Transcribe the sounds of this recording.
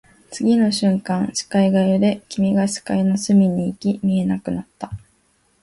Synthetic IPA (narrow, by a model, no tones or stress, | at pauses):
t͡sɨɡʲino̞ɕɨ̃ŋkãɰ̃ɕi̥kaiɡajɯd̪e̞kʲimʲiɡaɕi̥kainosɨmʲiɲ̟iːkʲimʲie̞nakɯ̟nat̪ːa